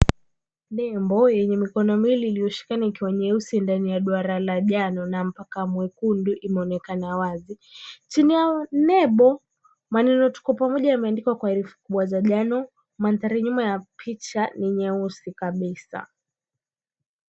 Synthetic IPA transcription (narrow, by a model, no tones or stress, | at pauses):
lɛmbɔjɛɲɛmikɔnɔmiliːlijɔʃi̥kanaikiwaɲɛusindanijaɗwaɾalaʄanɔnam̩pakamwɛkunduʔimɛɔnɛkanawazi | t͡ʃinijanɛɓɔ | manɛnɔtu̥kapamɔʄajamɛandikwakwaiɾifu̥kuɓwazaʄanɔ | mant̪aɾiɲumajapʰit͡ʃaniɲɛusikaɓisa̰